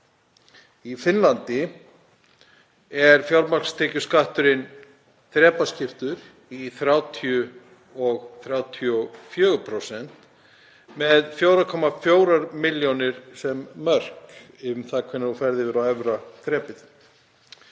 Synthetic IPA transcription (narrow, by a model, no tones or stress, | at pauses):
ifɪnlant̪ɪ | ɛɾfjawɾmar̥kst̪ʰɛːcʏskaht̪ʏɾɪn | θɾɛːpascɪft̪ʏɾ | iθɾjawt̪ʰiʏ | ɔɣθɾjaːwt̪ʰiɔfjœːɣʏpʰɾowsɛn̥t̪ | mɛðfjowɾakʰɔmafjoːwɾaɾmɪljonɪɾ̥sɛmːœr̥k | ɪʏmθakʰvɛnːɪɾɔfɛɾðɪvɛːɾawɛvɾaθɾɛːpɪθ